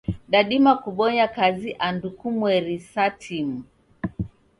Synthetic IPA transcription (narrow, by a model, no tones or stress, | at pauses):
ɗaɗimakuɓɔɲakaziʔandukumwɛɾisatʰim̩